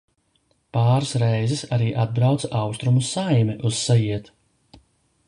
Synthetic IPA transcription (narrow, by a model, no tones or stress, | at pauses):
paːɾsɾɛjzɛsaɾiːʔad̪̚bɾawt̪sʔawst̪ɾumussajmɛʔuz̥sajiɛt̪